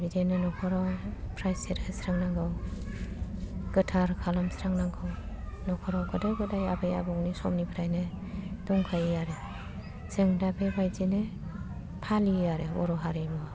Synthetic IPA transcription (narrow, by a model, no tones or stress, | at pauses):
bidenɯnɔkʰɔɾawpʰɾajseɾesɾaŋnaŋɡɯw | ɡ̥ɯtʰaɾkʰalamsɾaŋnaŋɡɯw | nɔkʰɔɾawɡɯdɯɡɯdajabeja̰bɔŋnisɔ̰mnipʰɾajne | d̥ɔŋkʰajaɾe | sɯŋdabebajzine | pʰalijaɾeɔ̰ɾɔɦaɾemɔ